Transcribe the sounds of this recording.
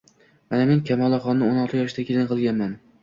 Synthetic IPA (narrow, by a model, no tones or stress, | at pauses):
manameŋkʲʰamɒlˠɑχɒnːɪonɒlˠt̪ʰɪjɒʃɪd̪akʲʰelɪnqʰɨlˠɡʲanman